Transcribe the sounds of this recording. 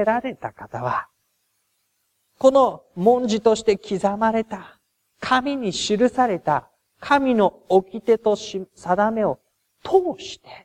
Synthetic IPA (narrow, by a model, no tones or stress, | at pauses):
ɾaɾe̞t̪akat̪aβa | ko̞no̞mõ̞ɲ̟d͡ʑit̪o̞ɕi̥t̪e̞kʲizamaɾe̞t̪a | kʰamʲiɲ̟iɕiɾɯ̟saɾe̞t̪a | kʰamʲino̞ | okʲit̪e̞t̪o̞sad̪ame̞o̞ | t̪ʰoːɕi̥t̪e̞̥